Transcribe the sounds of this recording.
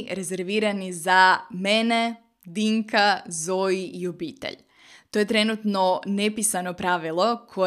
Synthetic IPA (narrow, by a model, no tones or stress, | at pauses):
ɾe̞zeɾʋiːɾanizamene | d̪iŋkazoiiobiːt̪ḛʎ | t̪o̞je̞t̪ɾenut̪nonepisanopɾaʋilˠo̞kʰo